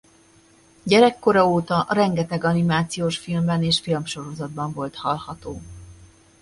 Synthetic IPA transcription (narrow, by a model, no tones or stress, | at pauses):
ɟɛɾɛkːo̞ɾɒoːt̪ɒʔɾɛŋɡɛt̪ɛɡɒnimaːt̪sijoːʃfilmbɛneːʃfilmʃo̞ɾo̞zɒd̪̚bɒɱvo̞lt̪hɒlhɒt̪oː